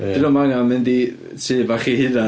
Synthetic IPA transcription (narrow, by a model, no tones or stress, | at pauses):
d̥ɨnɔmanamɪndi | tʰɨːvaχihɪna